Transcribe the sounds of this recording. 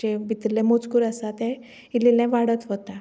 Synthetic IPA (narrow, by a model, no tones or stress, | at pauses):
ebit̪ɾilẽmot͡skuɾəsat̪ɛ | ilelɛ̃ʋaɽət̪ɦot̪a